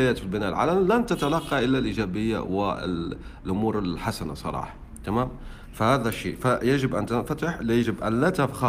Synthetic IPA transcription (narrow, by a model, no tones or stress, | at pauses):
jæt̪filbənælʕa̰lælænt̪ət̪alɑqːɑʔəlːalʔiʒæbəjːa̰wə̰ | lʔʊmuːɾəlħasana̰sˤɑ̰ɾˤɑ̰ːħɑ̥ | t̪æmæm | fahæːd̪æʃːḭfajaʒəbʔænt̪ənfæt̪əħljaʒəbʔænlæt̪afxɑ